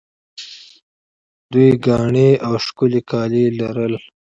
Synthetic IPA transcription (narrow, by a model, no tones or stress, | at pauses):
d̪ujɡɑːɳeawʃkʊlikɑːlilaɾəl